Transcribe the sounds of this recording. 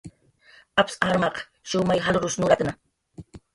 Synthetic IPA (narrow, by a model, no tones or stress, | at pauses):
apsaɾmɑq | ʃʊmajɦalɾʊsnʊɾat̪na